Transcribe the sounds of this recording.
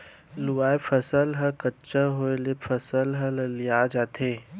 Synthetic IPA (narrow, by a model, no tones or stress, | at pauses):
luaːepʰɐsəlɦəkətːt͡ʃəɦoelepʰɐsəlɦəllijad͡ʒaːt̪ʰeː